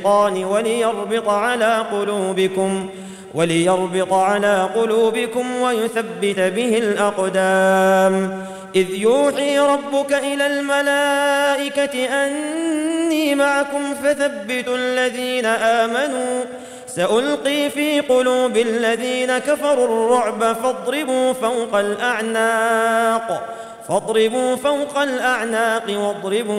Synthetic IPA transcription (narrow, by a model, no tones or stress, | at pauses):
ɑːnɪwalɪjɑɾˤbɪt̪ˤʕalaːqʊluːbɪkʊm | wʔalɪjɑɾˤbɪt̪ˤʕalaːqʊluːbɪkʊmwajʊθabːɪt̪abɪhɪlʔɑqd̪aːm | ʔɪðjuːħiːɾˤɑbːʊkaʔɪlaːlmalaːʔɪkat̪ɪʔanː | iːmaʕakʊmfaθabːɪt̪ʔalːaðiːnaʔaːmanuː | saʔʊlqiːfiːqʊluːbɪlːaðiːnakafɑɾˤurˤːʊʕbafɑd̪ˤɾɪbuːfawqɑlʔaʕna | q | fɑd̪ˤɾɪbuːfawqɑlʔaʕnaːqɨwɑd̪ˤɾɪbuː